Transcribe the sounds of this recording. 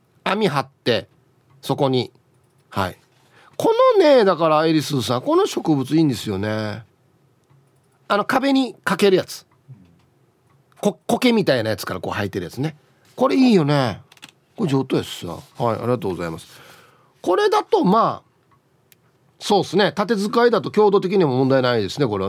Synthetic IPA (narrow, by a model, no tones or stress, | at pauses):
amʲiɦat̪ːe̞ | so̞ko̞ɲ̟i | ha̰ḭ | kʰo̞no̞ne̞d̪akaɾaeɾʲisɨːs̬ãŋko̞no̞ɕo̞kɯ̟bɯ̟t͡sɨiːnd̪e̞sɨjo̞ne̞ | ano̞kabe̞ɲ̟ikake̞ɾɯ̟jat͡sɨ̥ | koko̞ke̞mʲit̪ainajat͡sɨ̥kaɾako̞ːhait̪ːe̞ɾɯ̟jat͡sɨne̞ | ko̞ɾe̞iːjo̞ne̞ | kod͡ʑoːt̪ːoesa̰haḭa̰ɾʲiɡat̪oːɡoza̰imasɨ̥ | ko̞ɾe̞d̪at̪o̞maː | so̞ːdsɨne̞t̪at̪e̞zɨkaid̪at̪o̞kʲo̞ːd̪ot̪̬e̞k̬ʲiɲ̟imomõnd̪ainaid̪esɨne̞ko̞ɾe̞a